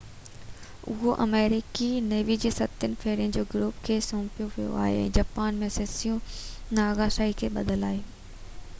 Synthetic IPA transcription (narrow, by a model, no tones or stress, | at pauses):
ʊ̰ɦoʔɐ̰meːɾɪkineːʋid͡ʑeːsɐt̪ənɪ̆feːɾijənd͡ʑoːɡɾuːpkʰeːsõːpijoʋijo̰ʔa̰ːɦḛɛ̰̃ːd͡ʑaːpaːnmẽseːsijũ | naːɣaʃaːikʰeːɓɐ̰d̪əlaːɦeː